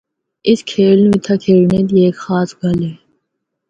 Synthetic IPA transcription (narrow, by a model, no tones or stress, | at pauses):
ɪskʰeːlnːit̪ʰakʰeːɭɳed̪ieːkxaːsɡɐleː